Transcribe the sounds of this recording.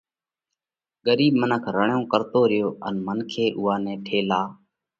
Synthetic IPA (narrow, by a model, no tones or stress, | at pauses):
ɠəɾiːbmənəkʰɾəɳjõːkəɾt̪oːɾɪjoːʔə̰nmənkʰeːʔʊːaːnɛ̃ːʈʰeːlaː